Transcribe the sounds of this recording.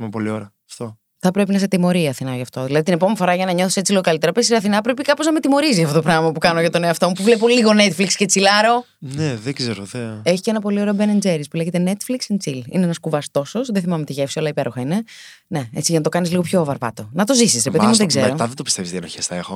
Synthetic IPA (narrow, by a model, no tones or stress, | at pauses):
mepo̞lioɾɐɐft̪o | θɐpɾe̞pinɐset̪imo̞ɾiɐθinɐʝɐft̪o̞ðilɐðit̪inepomenifo̞ɾɐʝɐnɐɲo̞θi̥set͡sileoɐlit̪eɾɐpesiɐθinɐpɾepikɐpoznɐme̞t̪imo̞ɾisiɐft̪ot̪oɾɐɣmɐpukɐnoʝɐt̪oneoɐft̪o̞mupuvlepo̞liɣo̞net̪flikscet͡silɐɾo̞ | neðeɡzeɾoðee̞çi̥ceenɐpo̞lioɾeobenend͡zeɾispuleçet̪enet̪fliksint͡silḭneenɐskuvɐst̪o̞sosðeθimɐmet̪iʝefsiolɐipeɾoxɐine̞ | ne̞et͡siʝɐnɐt̪o̞kɐnizliɣopço̞vɐɾvɐ̰t̪o̞nɐt̪o̞zisisɾepe̞ðiimuðeɡzeɾo̞t̪ɐðed̪opist̪evist̪ienoçesθɐexo